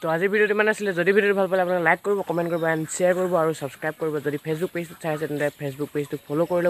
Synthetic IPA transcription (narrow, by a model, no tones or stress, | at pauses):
tɔaziɹbʱidijotimanasilɛzodibʱidijotbʱalpalɛapunaklajkːoɹibɔkɔmɛntkoɹibɔansiaɹkoɹibɔaɹusabskɹajb̚koɹibɔzodipʰes̬buk̚pestu̥tsʰajsɛtɛntɛpʰes̬buk̚pestʊk̚pʰolokoɹilɔ